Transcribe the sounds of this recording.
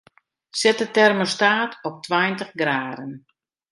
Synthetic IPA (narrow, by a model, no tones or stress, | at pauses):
sɪtətɛrmostaːtʰɔp̚tʰwajntəχɡraːdən